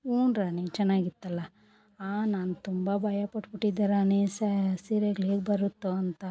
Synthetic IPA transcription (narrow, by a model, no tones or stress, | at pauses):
uːɳɾaːnet͡ʃɛnːaːɡit̪ːɐlːɐ | aːnaːnut̪umbɐbɐjapɐʈpuʈːid̪ːaɾaːnesɐsiːɾeɡɭeːɡ̚bɐɾut̪ːuɐnt̪ɐ